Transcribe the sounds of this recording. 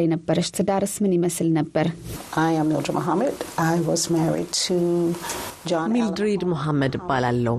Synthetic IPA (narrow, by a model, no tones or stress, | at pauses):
ajnəbːəɾəʃt̪ʰɨd̪aɾɨsmɨniməsɨlnəbːəɾʔaɪɨ̃mːɪ̰lˠdəmʔoɦamɨdaɪwʌzmɛɹḭd̚tʰɨ | d͡ʒɑ̃mild̪ɾid̪muɦamːəd̪ɨbːalalːəw